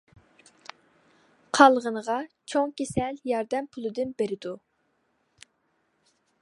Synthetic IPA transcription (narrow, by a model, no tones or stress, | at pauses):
qʰɑlˠʁənəʁɑt͡ʃʰoŋkʲesɛljɑɾd̪ɛmpʰʊlˠɨd̪ɨnbeɾɪd̪u